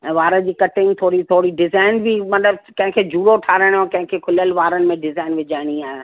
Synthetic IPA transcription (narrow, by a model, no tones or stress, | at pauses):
ɛ̃ːʋaːɾə̃d͡ʑiːkɐʈɪ̃ŋɡt̪ʰoːɾit̪ʰoːɽiɖɪzaːɪnbʱimɐt̪ləbkɐ̃ɦɪ̃kʰeːd͡ʑuːɾoʈʰaːɾə̃jõkɐ̃ɦɪ̃kʰekʰʊləlʋaːɾənɪmẽɖɪzaːɪnʋɪd͡ʑaːɪɽ̃iaːɦe